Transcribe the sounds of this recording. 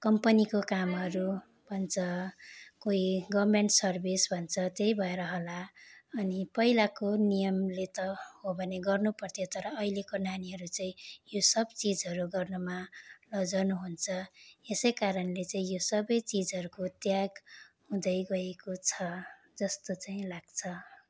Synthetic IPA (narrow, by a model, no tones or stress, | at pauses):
kʌmpʌnikokamɦʌɾu | bʱʌnt͡sʰʌkoiɡʌmeɳʈsʌrbʱisbʱʌnt͡sʰʌt̪ejibʱʌeɾʌɦolaʌnipʌilakonijʌmlet̪ʌhobʱʌneɡʌrnupʌrt̪ʰjot̪ʌɾʌːilekonaniɦʌɾut͡saĩjosʌbt͡sid͡zɦʌɾuɡʌrnumalʌd͡zʌnuɦunt͡sʰʌesʌjkaɾʌnlet͡saĩjosʌbʌjt͡sid͡zɦʌɾukot̪jaɡhũd̪ʌjɡʌekot͡sʰʌ | d͡zʌst̪ot͡saĩlaɡ̥t͡sʰʌ